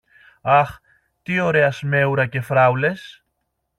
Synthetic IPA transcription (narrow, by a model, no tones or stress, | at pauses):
ɐx | t̪io̞ɾe̞ɐsme̞uɾɐce̞fɾɐwle̞s